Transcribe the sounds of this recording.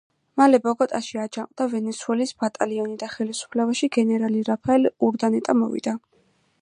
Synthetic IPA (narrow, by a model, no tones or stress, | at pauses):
malɛbɔɡɔt̪ʼaʃiad͡ʒaqʼd̪̥avɛnɛsuɛlisbat̪ʼaliɔnid̪aχɛlisu̥pʰlɛbaʃiɡɛnɛɾaliɾapʰaɛluɾd̪anɛt̪ʼamɔ̰vḭd̪̥a